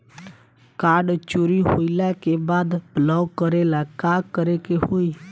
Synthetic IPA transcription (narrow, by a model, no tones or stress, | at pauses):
kaːɾɖt͡ʃuɾiɦo̰ɪlakebaːd̪b̥lɔːɡkəɾelakakəɾekehoi